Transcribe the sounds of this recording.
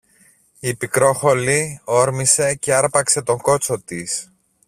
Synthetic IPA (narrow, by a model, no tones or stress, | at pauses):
ipikɾo̞xo̞lio̞ɾmise̞ce̞ɐɾpɐkse̞t̪o̞ŋɡo̞t͡so̞t̪is